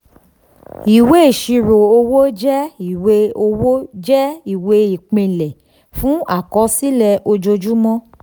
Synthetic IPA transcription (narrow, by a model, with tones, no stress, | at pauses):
i˨we˨˦e˦˨ʃi˧ɾo˨o˧wo˦d͡ʒɛ˦i˨we˧o˧wo˦d͡ʒɛ˦i˦˨we˧i˨k͡pẽ˧˨lɛ˨ | fũ˨˦a˦˨kɔ˨˦si˦lɛ˧ʔo˧d͡ʒo˧d͡ʒu˦mɔ̃˦